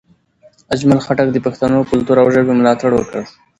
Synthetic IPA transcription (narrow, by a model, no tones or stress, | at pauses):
ad͡ʒmalxaʈak̚d̪əpaxt̪anokʊlt̪uɾawʒəbemʊlɑt̪aɽwəkə